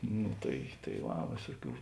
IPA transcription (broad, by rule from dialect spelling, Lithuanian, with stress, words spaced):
nʊ tɐɪ tɐɪ ˈʋɐ ˈʋʲeːsʊˌkʲuː